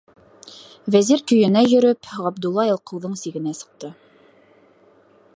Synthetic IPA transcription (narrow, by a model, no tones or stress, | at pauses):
væziɾkɵ̆jɘ̆næjɵ̆ɾɵpʁɑb̚d̪ulˠːɑelˠqɤ̆wðɤɴsiɡɘ̆næsɤ̥̆q̚t̪ɤ